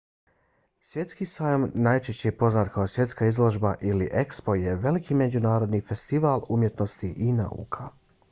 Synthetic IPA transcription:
sʋje̞t̪skisaːjomnaːjt͡ʃeʃt͡ɕeepo̞znaːt̪kaosʋje̞t̪skaizlˠo̞ʒbaʔiliʔe̞kspo̞je̞ʋe̞likiːme̞d͡ʑunaːɾo̞d̪niːfe̞st̪iʋaːlˠumje̞t̪no̞st̪iʔina̰ṵːkʰa

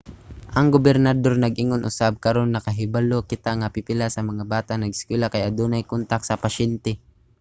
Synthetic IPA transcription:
ʔɐŋɡobɛɾnɐd̪o̞ɾnɐɡʔɪŋonʔʊsab̚kɐɾo̞nːɐkɐɦɪbalokɪt̪aŋapipɪlasɐmɐŋabaːt̪aʔnɐɡɪ̥skwɛlakajɐd̪onajkont̪aksɐpɐʃɛnt̪ɛ

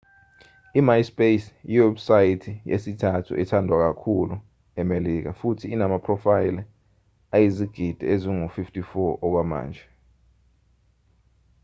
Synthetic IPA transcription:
imajspesuwɛbsajitʰijḛsitʰatʰṵʔɛ̰tʰandʱwak̬akʰulu | ɛmelik̬afutʰiːnamapʰrɔfajl | ajiziɡ̥ʱid̥ʱɛeziŋufiftʰʼifɔɔk̬wama̰ːnd͡ʒʱɛ

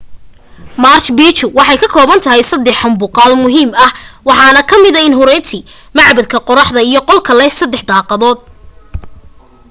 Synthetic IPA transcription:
mart͡ʃbiːt͡ʃʊwɑħɑjkʰɐkʰɔːβɐnt̪ʰɐɦɛjsɐd̪ɛħʊmbʊqɑːlmʊɦiːmɐhwɑħɑːnɐkʰɐmɪðɐɪnɦʊɾɛjt̪ʰi | mɑʕbɐd̪̚kʰɐqɔɾɑħðɐijɞqɔlkʰɐlɛsɐd̪ːɛħd̪ɑːqɑðɔːd̪̚

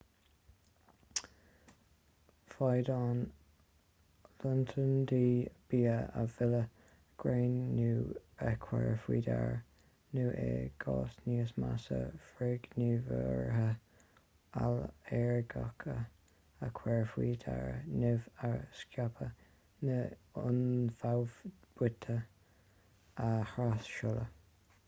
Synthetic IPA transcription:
fajd̪ɑːn | lʊntʰənd̪iːb̥iːəəvɪlə | ɡ̥ɹeːnːuːəkʰwɛɹfwḭːdaɹ | nuːʔeːɡ̥ɑːsniːəsmasə̰fɾɪɡ̥nivəɹɦə | alɛɹɡɔkʰə | əkʰwɛɹfwiːdaɹnɪvaɹskjɔpʰə | nəʊnfawvb̥wɪt̪ʰə | əxɾasʃʊlə

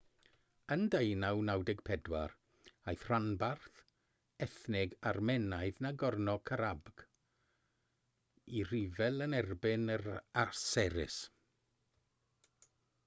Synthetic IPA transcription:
əndejnawnawdɪɡ̥̚pʰɛdwar | ajθr̥anbarθ | ɛθnɪɡarmɛnajðnaɡɔrnɔkʰaɾabɡ̥ | ir̥ivɛlˠənɛrbɪnəɾarsɛɾɪ̰s

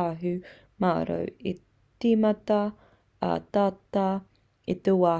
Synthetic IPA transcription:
aːɦʉ | maːɾo̰wi | t̪iːmɐt̪ɐ | ɐ̰t̪aːt̪a | it̪ewaː

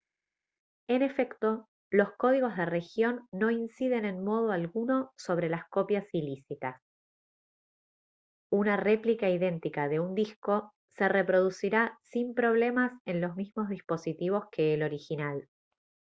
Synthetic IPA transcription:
e̞ne̞fe̞kt̪o̞ | lo̞sko̞ð̞iɣo̞zðere̞xjo̞nːo̞insið̞e̞ne̞nmo̞ð̞oalɣuno̞so̞β̞ɾe̞lasko̞pjasilisit̪as | unare̞plikaiðe̞nt̪ikaðe̞und̪isko̞ | se̞re̞pɾo̞ðusiɾasimpɾo̞β̞le̞mase̞nlo̞zmizmo̞zð̞ispo̞sit̪iβ̞o̞skʰe̞ːlo̞ɾixinal

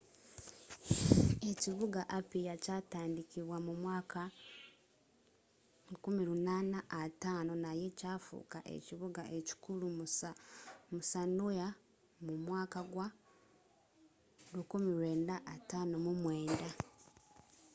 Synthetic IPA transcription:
e̞ciβuɡaʔapijacataːndikiβwamumwaːka | ukumiɾunaːnaʔːtaːno̞naje̞caːfṵkaʔḛciβuɡaʔe̞ci̥kulu | musanoja | mumwaːkaɡwa | lukumiɾwe̞ːndaʔːtaːno̞mumwe̞ːnda

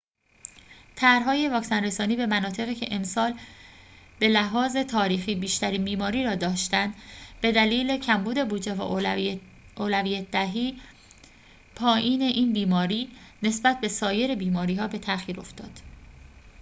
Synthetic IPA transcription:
t̪ʰæɾɦɒːje̞vɒːksænre̞sɒːniːbe̞mænɒːt̪ʰe̞ɣiːcʰe̞ʔemsɒːl | b̥e̞læɦɒːze̞t̪ʰɒːɾiːxiːbiːʃt̪æɾiːnbiːmɒːɾiːɾɒːd̪ɒːʃt̪ænd̪b̥e̞d̪æliːle̞cʰæmbuːd̪e̞buːd͡ʒe̞væ̰ | oːlævijæt̪̚ʰd̪æɦiː | pʰɒːʔiːne̞ʔiːnbiːmɒːɾiːne̞sbæt̪̚ʰbe̞sɒːje̞ɾe̞biːmɒːɾiːɦɒːbe̞t̪ʰæxiːɾo̞ft̪ɒ̰ːd̪̥

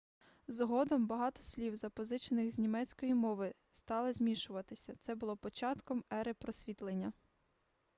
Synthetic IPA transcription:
zɦɔd̪ɔmbɐɦɑt̪ɔ̥sʲlʲiwzɐpɔzɪt͡ʃenɪxzʲnʲimɛt͡sʲkɔjimɔʋɪ | st̪ɑlˠɪzʲmʲiʃʊʋɐt̪ɪsʲɐt̪sɛbʊlˠɔpɔt͡ʃɑt̪kɔmɛɾɪpɾɔsʲʋʲit̪lˠenʲːɐ

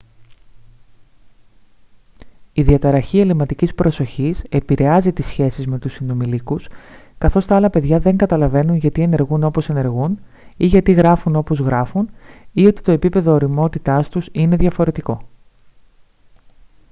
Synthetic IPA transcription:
iðiɐt̪ɐɾɐçie̞limɐt̪icispɾo̞so̞çise̞piɾe̞ɐzit̪isçe̞sizme̞t̪usino̞milikuskɐθo̞st̪ɐɐlɐpe̞ðʝɐðe̞ŋɡɐt̪ɐlɐve̞nunʝɐt̪ie̞ne̞ɾɣuno̞po̞se̞ne̞ɾɣun | iʝɐt̪iɣɾɐfuno̞po̞zɣɾɐfunio̞t̪i̥t̪o̞e̞pipe̞ðo̞ːɾimo̞t̪it̪ɐst̪usine̞ðʝɐfo̞ɾe̞t̪iko̞

